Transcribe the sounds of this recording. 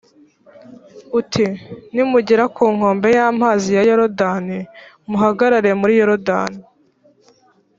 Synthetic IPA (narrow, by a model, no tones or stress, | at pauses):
utʰinimuɟeɾakuːŋ̥o̞ːmbe̞jaːmaːzijajoɾodani | muɦaɡaɾaɾemuɾijoɾoda̰ːni